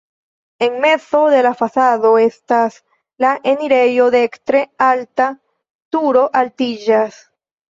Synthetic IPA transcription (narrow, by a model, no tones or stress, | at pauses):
e̞ŋme̞t͡so̞ðe̞lafasaðo̞estas | laʔeniɾe̞jo̞ðekt̪ɾealta | t̪uɾo̞ʔaltid͡ʒas